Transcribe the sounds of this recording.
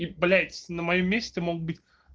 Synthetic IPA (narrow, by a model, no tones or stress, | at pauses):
ibɐlʲæjt̪ʲɪ̥sʲnəmɐjomʲːesʲtʲɪmoɡ̚bɨtʲ